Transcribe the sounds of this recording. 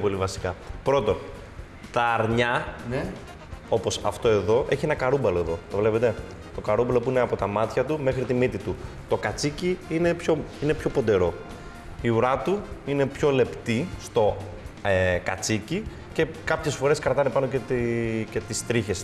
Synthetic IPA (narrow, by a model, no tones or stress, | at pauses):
po̞livɐsi̥kɐpɾo̞t̪o̞n | t̪ɐːɾɲɐ | o̞po̞sɐ̰ft̪o̞e̞ðo̞ʔe̞çienɐkɐɾubɐloe̞ðo̞t̪o̞vle̞pe̞t̪e̞ | t̪o̞kɐɾumbɐlo̞puineɐpo̞t̪ɐmɐt̪çɐt̪ume̞xɾit̪imit̪it̪u | t̪o̞kɐt͡siciine̞pço̞ine̞pço̞pod̪e̞ɾo̞ | iuɾɐt̪uine̞pço̞le̞pt̪ist̪o̞ | kɐ̰t͡sici | ce̞kɐpçe̞sfo̞ɾe̞skɾɐt̪ɐnepɐno̞cet̪cet̪ist̪ɾiçe̞s